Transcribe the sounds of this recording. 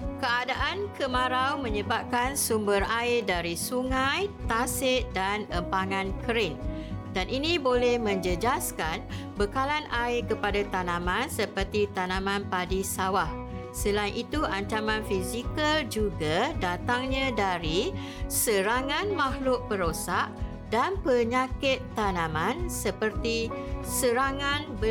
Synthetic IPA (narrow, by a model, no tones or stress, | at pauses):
kəadaʔankʰəmãɾawmə̃ɲəbap̚kansumbəɾaɪdaɾisuŋãjt̪asɪʔdanəmpaŋãnkʰəɾɪn | danʔinĩbolɛhmə̃ɲd͡ʒəd͡ʒaskanbəkalanʔaɪkəpadat̪anãmãnsəpərt̪it̪anãmãnpadisawah | səlainʔit̪uʔaɲt͡ʃamãnfizikəld͡ʒuɡadat̪aŋɲãdaɾi | səɾaŋãnmãhlʊʔ̚pəɾosaʔ | danpəɲakɪt̪ːanãmãnsəpərt̪isəɾaŋãnbə